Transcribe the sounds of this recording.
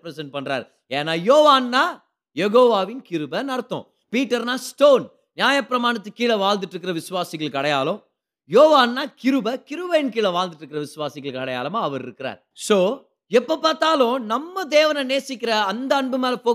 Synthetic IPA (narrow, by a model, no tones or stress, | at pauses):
pɾɛsɛɳʈ̚pɐɳːɾa̰ːɾ | eːnːaːjoːʋaːnːaː | jɛɣoːʋaːʋɪnkɪɾɯbɐnɐɾɐt̪ːõ̰ | piːʈːɐɾnaːsʈoːn | njaːjɐpːɪɾɐmaːɳɐt̪ːɯkːiːɭɐʋaːlnd̪ɯʈːɾɯkːɪɾɐʋɪsʊʋaːsɪɣɐɭkːɐɽɐjaːlʊ̃ | joːʋaːnːaːkɪɾɯbɐkɪɾɯʋɐnkiːɭɐʋaːlnd̪ɯʈːɾɯkːɪɾɐʋɪsʊʋaːsɪɣɐɭkɐɽɐja̰ːlɐmaːɐʋɐɾɪ̰ɾɯkːɪɾa̰ːɾ | soː | ɛpːopaːɾt̪aːlõnɐmːɐd̪eːʋɐnɐneːsɪkːɪɾɐːnd̪ɐɐɳbɯmeːlɐpoː